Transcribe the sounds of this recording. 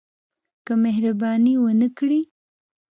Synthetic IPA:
kəmeɦɾabɑniwənəkɽi

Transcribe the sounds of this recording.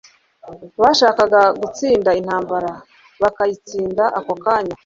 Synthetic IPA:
βaːʃaːkaɡaɡut͡siːndain̥haːmbaɾa | βakajit͡siːndaʔakokaːɲa

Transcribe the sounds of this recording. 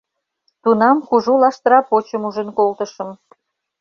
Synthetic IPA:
t̪unɑmkuʒulɑʃt̪əɾɑpot͡ɕəmuʒənkolt̪əʃə̆m

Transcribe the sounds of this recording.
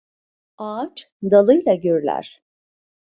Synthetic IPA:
aːt͡ʃd̪alˠɯjlˠaɟøɾylʲæ̰ɾ̥

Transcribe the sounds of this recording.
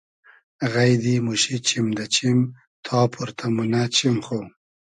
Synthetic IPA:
ɣajd̪imuʃit͡ʃimd̪at͡ʃim | t̪ʰɑːpʰuɾt̪ʰamunat͡ʃimχo

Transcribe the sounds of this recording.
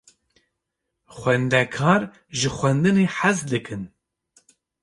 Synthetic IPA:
xʷɛnd̪ɛkʰɑːɾ | ʒɨxʷɛnd̪ɨneːħazd̪ɨkʰɨn

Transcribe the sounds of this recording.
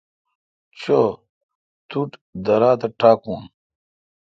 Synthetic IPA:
t͡ɕʰo | t̪uʈd̪ɐɾaːt̪ɐʈaːkũːn

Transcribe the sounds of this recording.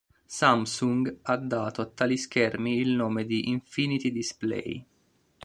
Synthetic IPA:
samsuŋɡad̪ːaːt̪oat̪ːaːliskɛrmiːlnoːmed̪iʔiɱfinit̪id̪isplɛ̰j

